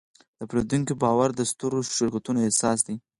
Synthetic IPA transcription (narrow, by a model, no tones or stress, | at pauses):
d̪̥əapɾed̪uŋkibɑwaɾd̪əst̪oɾoʃɪɾkat̪unoesɑs̬d̪i